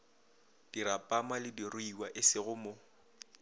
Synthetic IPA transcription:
d̥iɾapʼamalɪdirʊiwaʔɪsɪɣʊmʊ

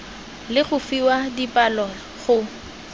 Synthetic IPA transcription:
lɪɣʊfiwadipʼalɔ | χʊ

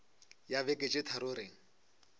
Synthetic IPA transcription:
jabekʼet͡ʃʼɪtʰaɾʊɾeːŋ̩

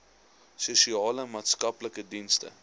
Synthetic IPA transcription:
susiɑːləmɑːtskɐpləkədinstə̰

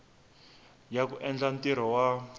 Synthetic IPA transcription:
jakuʔɛnd͡ɮantiɾ̤ɔwa

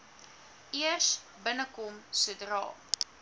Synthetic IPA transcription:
iərs | bənəkɔmsudrɑ̰ː

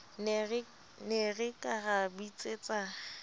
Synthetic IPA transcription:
n | nerɪkʼaɣabit͡sʼeːt͡sʼa

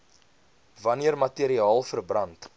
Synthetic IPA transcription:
vɐniərmɐtiəɾiɑːlˠfərbrɐnt

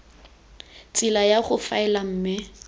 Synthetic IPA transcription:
t͡sʼɪlajaχʊfaɪlam̩ːmɪ

